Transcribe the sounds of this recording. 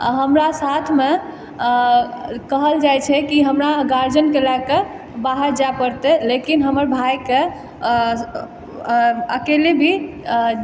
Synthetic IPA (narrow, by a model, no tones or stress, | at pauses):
ɦəmɾasat̪ʰme | kəɦəld͡ʒajt͡ʃʰɛkiɦəmɾaɡaɾd͡ʒənkelaɡke | baɦəɾd͡ʒapəɾt̪elekinɦəməɾbʱajke | əkelebʱi